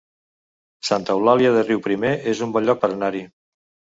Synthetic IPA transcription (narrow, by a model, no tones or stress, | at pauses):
sant̪əwlaljiaðəriwpɾimeʔezumbɔʎːɔk̚pəɾnaɾi